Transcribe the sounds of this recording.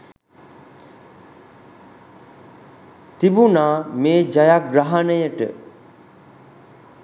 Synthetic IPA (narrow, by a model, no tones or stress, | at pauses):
t̪ibunaːmeːd͡ʒajak̚ɡɾaɦanəjəʈə̰